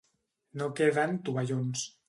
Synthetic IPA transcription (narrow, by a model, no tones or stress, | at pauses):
nokeðant̪uβaʎons